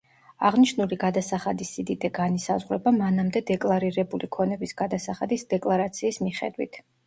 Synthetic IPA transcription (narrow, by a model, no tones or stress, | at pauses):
aʁniʃnuliɡad̪asaχad̪isid̪id̪ɛɡanisazʁɾɛbamanamd̪ɛd̪ɛkʼlˠaɾiɾɛbulikʰɔnɛbisɡ̥ad̪asaχad̪isd̪ɛkʼlˠaɾat̪sʰiːsmiχɛ̰d̪wḭt̪ʰ